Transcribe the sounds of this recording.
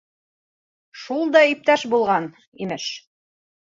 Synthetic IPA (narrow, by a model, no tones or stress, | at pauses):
ʃulˠd̪ɑip̚t̪æʃbulˠʁɑn | imɘʃ